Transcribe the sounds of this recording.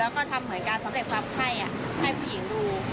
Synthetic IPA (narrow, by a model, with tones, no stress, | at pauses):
ɛː˦˥wkɔː˥˩t̪ʰa˧mːɯ˨˩˦ə˦nkaː˧nsa˩˦mɾe˨˩t̪̚kʰwaː˧mkʰa˥˩jʔa˨˩ | ha˥˩jpʰuː˧˩ji˨˩˦ŋɾuː˧˥